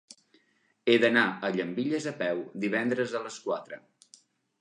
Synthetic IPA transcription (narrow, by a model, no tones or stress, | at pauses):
eðənaəʎəmbiʎəzəpɛwd̪iβ̞ɛnd̪ɾəzələskwat̪ɾə̰